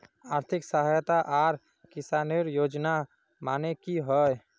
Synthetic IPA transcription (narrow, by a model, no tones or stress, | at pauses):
aɾt̪ʰiksəɦajt̪aʔaɾ | kisaneɾjod͡ʒna | manekiɦəj